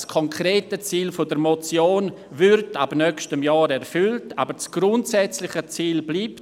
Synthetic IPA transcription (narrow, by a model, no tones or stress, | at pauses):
skʰɔŋkʰɾeːtət͡siːlfodəɾmot͡sjoːn | vʏrtabnœkʃtəmjaːɾɛrfʏltaːbət͡sɡ̥rʊntsɛt͡slɪχət͡siːlbliːp